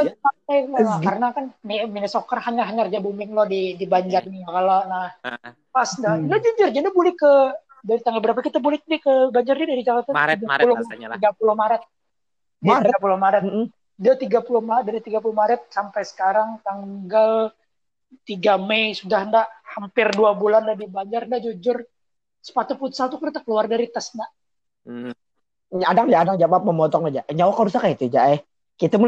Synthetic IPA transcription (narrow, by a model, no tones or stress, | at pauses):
asapajalakaɾənakanniminasokarhaɲaɦaɲard͡ʒabumɪŋlɔhdidibaɲd͡ʒarniakalonah | pasndaɡad͡ʒuɲd͡ʒʊrd͡ʒandibulɛkːə | daɾit̪aŋɡalbəɾap̬akit̪abulɪdikəbaɲd͡ʒarnidaɾid͡ʒakat̪aɡaulʊiɡapulʊhmaɾat̪̚ | aiiɾatapulʊhmaɾət̪ | dat̪iɡapulʊhmadaɾit̪iɡapulʊhmaɾət̪̚sampajsə̥kaɾaŋt̪aŋɡal | t̪iɡamejsudahndaʔhampɪrduabulandadibaɲd͡ʒarndaʔd͡ʒud͡ʒʊr | sə̥pat̪uput̪salt̪ukəɾt̪akəluardaɾit̪asna | adaŋd͡ʒaːdaŋd͡ʒabap̚məmɔt̪ɔŋad͡ʒaʔɲawakaɾusakait̪ud͡ʒaʔɛ | kit̪amu